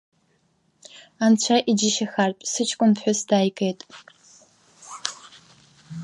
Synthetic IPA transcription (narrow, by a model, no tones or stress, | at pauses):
ant͡ɕʷʰaʔid͡ʒɪʃaxarpʷʼsɨt͡ʃʰkʷʼʊnpʰħʷᶣʊsdaːjkʼejtʼ